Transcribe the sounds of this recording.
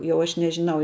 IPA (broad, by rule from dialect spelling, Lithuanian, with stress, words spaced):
ˈjɛʊ ˈɐʃ nʲɛʒʲɪˈnɐʊ